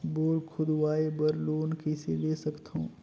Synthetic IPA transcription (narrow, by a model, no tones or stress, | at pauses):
boːlkʰʊd̪waːebəɾloːnkɛsḛleːsɐkt̪ɦõː